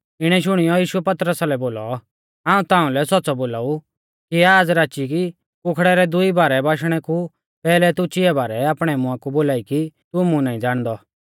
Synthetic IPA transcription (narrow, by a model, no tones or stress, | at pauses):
ɪɽ̃ɛʃ̬ʊɽ̃ijɔjiːʃuɛpɐt̪ɾəsalɛboːlɔ | ãːũt̪ãːũlɛsɔtːsɔboːlaːu | kiaːd͡zɾaːt͡ʃiki | pʊkʰɽɛɾɛd̪ʊibaːɾɛbaːʃɽ̃ɛku | pɛːlɛt̪ʊt͡ʃɪɛbaːɾɛaːpɽ̃ɛmʊ̃ãkuboːlaːikit̪ʊmũnaːĩd͡zaːɽ̃d̪ɔ